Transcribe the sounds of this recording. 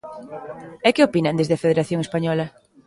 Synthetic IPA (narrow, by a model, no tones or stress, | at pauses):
ɛkeopinɐ̃nd̪ezðeafeðeɾaθjoŋespaɲɔlɐ